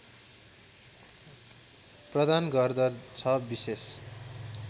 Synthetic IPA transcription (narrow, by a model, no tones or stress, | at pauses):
prʌd̪anɡʌrd̪ʌt͡sʰʌbises